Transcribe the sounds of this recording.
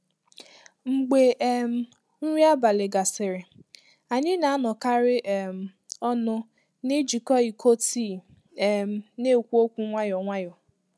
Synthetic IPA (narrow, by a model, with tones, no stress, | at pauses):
ŋ͡m̩˨ɡ͡be˨˦m̩˦ | n̩˦ɾi˦a˦ba˨lɪ˨ɡa˨sɪ˨ɾɪ˨ | a˨ɲɪ˦na˨a˦nɔ˨ka˦ɾɪ˦ʔm̩˨ | ɔ˦nʊ˦ | ne˦d͡ʒi˨kɔ˦i˨kʰo˦ti˦˨ | m̩˦ne˦˨kʷu˦o˦kʷu˦ŋʷa˦jɔ˨ŋʷa˦jɔ˨